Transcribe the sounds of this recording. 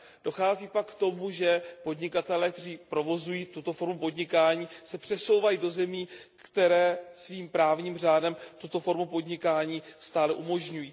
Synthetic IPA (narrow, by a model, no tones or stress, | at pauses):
d̥o̞xaːziːpakːt̪o̞muʒɛpo̞dɲɪkat̪ɛlɛːk̚t̪ɛriːpɾo̞vo̞zujiːt̪ut̪o̞fo̞ɾmupo̞dɲɪkaːɲiːsɛpr̝̥ɛso̞wvajido̞zɛmiː | kt̪ɛɾɛːsviːmpɾaːvɲiːmr̝aːdɛmt̪ut̪o̞fo̞ɾmupo̞dɲɪkaːɲiːst̪aːlɛʔumo̞ʒɲujiː